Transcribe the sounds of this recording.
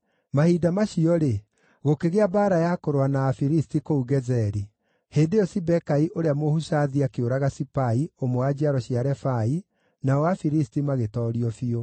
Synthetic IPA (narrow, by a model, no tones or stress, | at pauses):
mahidamaɕiɔɾe | ɣokeɣeabaːɾajakoɾwanaːfiɾistikouɣɛzɛɾi | heːndeɔsibɛkaiʔoɾeamohusaðiakeoɾaɣasipaiomowad͡ʑiaɾɔɕiaɾɛfai | naɔafiɾistimaɣetɔːɾiɔfio